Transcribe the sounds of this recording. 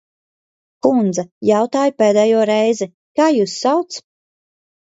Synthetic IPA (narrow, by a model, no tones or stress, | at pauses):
kund̪zajawt̪aːjpɛːd̪ɛːjuɔɾɛjzɛ | kaːjuːsːawt̪s